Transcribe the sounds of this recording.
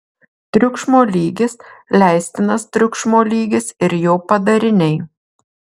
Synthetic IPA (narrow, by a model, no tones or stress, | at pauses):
t̪ʲɾʲʊkʃmoːlʲiːɡʲɪslʲæˑɪsʲt̪ʲɪnɐst̪ʲɾʲʊkʃmoːlʲiːɡʲɪsɪɾjoːpɐd̪ɐɾʲɪnʲɛɪ